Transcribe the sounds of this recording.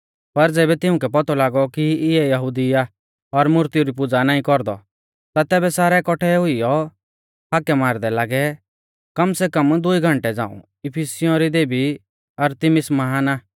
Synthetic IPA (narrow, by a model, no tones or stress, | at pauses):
pɐɾd͡zɛːbɛt̪ɪʊ̃kɛp̬ɔt̪ʰɔlaːɡɔkiɪɛjɐɦud̪ɪja | ɔɾmʊɾt̪ijuɾipʊd͡zanaːĩkɔɾd̪ɔ | t̪at̪ɛːbɛsaːɾɛkɔʈʰɛɦʊijɔ | ɦaːkɛmaːɾd̪ɛlaːɡɛ | kɐmsɛkɐmd̪ʊiɡʱɐ̃ɳʈɛd͡za̰ːṵ̃ | ɪpʰisɪjɔ̃ɾid̪eːbi | ɐɾt̪ɪmɪsmɐɦaːna